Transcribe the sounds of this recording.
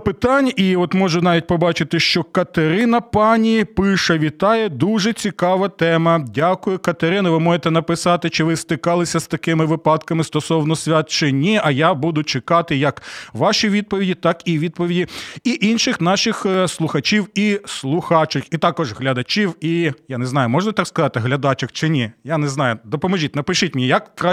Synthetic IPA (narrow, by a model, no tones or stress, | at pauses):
pɪt̪ɑnʲʔiɔt̪mɔʒʊnɑʋʲit̚ʲpɔbɑt͡ʃɪt̪ɪʃt͡ʃɔkɐt̪eɾɪnɐpɑnʲipɪʃɐʋʲit̪ɑjɛd̪uʒɛt͡sʲikɑʋɐt̪ɛmɐdʲakʊjʊkɐt̪eɾɪnɪʋɪmɔjet̪ɛn̪ɐpɪsɑt̪ɪt͡ʃɪʋɪst̪ɪkɑlˠɪsʲɐst̪ɐkɪmɪʋɪpɑd̪kɐmɪst̪ɔsɔwnɔsʲʋʲat̪t͡ʃɪnʲiɐjabud̪ʊt͡ʃɪkɑt̪ɪjɐkʋɑʃiʋʲid̪̚pɔʋʲidʲit̪ɑkiʋʲid̪̚pɔʋʲidʲiiʔinʃɪxnɑʃɪxslˠʊxɐt͡ʃʲiwislˠʊxɑt͡ʃɪxit̪ɑkɔʒɦlʲɐd̪ɐt͡ʃʲiwijanɛznɑjʊmɔʒnɐt̪ɑkskɐzɑt̪ɪɦlʲɐd̪ɑt͡ʃɐxt͡ʃɪnʲijanɛznɑjʊd̪ɔpɔmɔʒʲitʲnɐpɪʃɪtʲmnʲijɐkkɾa